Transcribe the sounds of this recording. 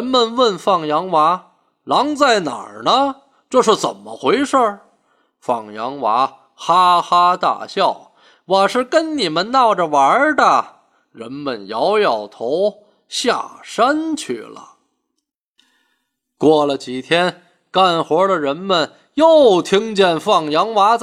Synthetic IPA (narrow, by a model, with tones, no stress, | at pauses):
ɻə˧˥nmə˨nwə˥˧nfɑ˥˩ŋjɑ˧˥ŋwa˧˥ | lɑ˧˥ŋt͡sa˥˩ɪna̰˨˩nə˦ | ʈ͡ʂɤ˥˧ʂ̬ɻ̩˥˩t͡sə̰˨˩nmə˦xwe˧˥ɪʂə˥˩ | fɑ˥˩ŋjɑ˧˥ŋwa˧˥ | xa˥xa˥t̪a̰˥˩ɕjɑ˥˩ʊ | wa˨˩ʂɻ̩˥˩kə˥nni˨˩mə˦nnɑ˥˩ʊʈ͡ʂə˨˩wa˧˥d̪ə˨ | ɻə˧˥nmə˨˩njɑ˧˥ʊjɑ˨˩ʊt̪ʰo˧˥ʊ | ɕja̰˥˩ʂa˥nt͡ɕʰy̰˥˩lə̰˩ | kwɔ˥˩lə˩t͡ɕi˨˩t̪ʰjɛ˥n | ka˥˩nxwɔ˧˥lə˨ɻə˧˥nmə˨n | jo˥˩ʊt̪ʰi˥ŋt͡ɕjɛ˥˧nfɑ˥˩ŋjɑ˧˥ŋwa˧˥